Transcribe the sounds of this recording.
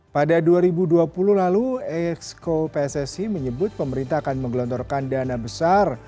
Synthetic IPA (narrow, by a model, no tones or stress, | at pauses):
padaduaɾibuduapuluhlaluɛkskopɛsɛsiməɲəbʊt̪̚pəməɾint̪aakanməŋɡlɔnt̪ɔrkandanabəsar